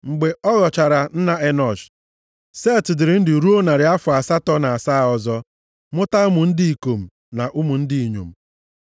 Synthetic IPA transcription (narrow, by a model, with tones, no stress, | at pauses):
ŋ͡m̩˨ɡ͡be˨ɔ˦ɣɔ˨t͡ʃa˨ɾa˨n̩˦na˦ʔe˦nɔ˨d͡ʒ | se˦˨tɪ˨dɪ˨ɾɪ˨n̩˦dɪ˨ɾu˦o˦na˨ɾɪ˨˦a˦fʊ˨a˨sa˦tɔ˦na˨a˨sa˦˨ɔ˨zɔ˦ | mʊ˦ta˦ʊ˦mʊ˨n̩˦dɪ˦i˨ko˨m̩˨ | na˨ʔu˦mʊ˨n̩˦dɪ˦i˨ɲo̰˨m̩˨